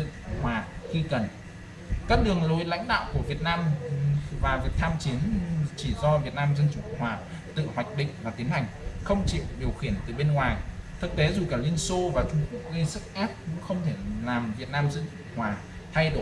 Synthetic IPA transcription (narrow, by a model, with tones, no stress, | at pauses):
ɨ̰˧˨kŋ͡mhwaː˨˩xi˧kə˨˩n | kaː˦˥k̚ɗɨ˨˩əŋlo˨˩˦jla̰˧˥jŋ̟ɗa̰ː˧˨wku˧˩əvi˨˩ət̚naː˧m | vaː˨˩vi˨˩ək̚t̪ʰaː˧mt͡ɕi˨˦ənt͡ɕi˧˩zɔ˧vi˨˩ət̚naː˧mzə˧nt͡ɕu˨˧˩kʊ̰˧˨ŋ͡mhwaː˨˩ | t̪ɨ̰˧˨hwa˨˩jk̟̚ɗḭ̈˧˨ŋ̟vaː˨˩t̪i˨˦ənha˨˩jŋ̟xə˧wŋ͡mt͡ɕḭ˧˨ɗi˨˩əwxi˧˩ənt̪ɨ˨˩ɓe˧nŋwaː˨˩jt̪ʰɨ˨˩k̚t̪e˨˦zu˨˩kaː˧˩lwi˧ənso˧vaː˨˩t͡ɕʊ˧kʊ˨˩k͡p̚zi˧sɨ˦˥k̚ʔa˦˥p̚kʊ̰˧˥ŋ͡mxə˧wŋ͡mt̪ʰe˧˩laː˨˩mvi˨˩ət̚naː˧mzə˧nt͡ɕu˨˧˩ŋ͡mhwaː˨˩ | t̪ʰa˧jɗo˧˩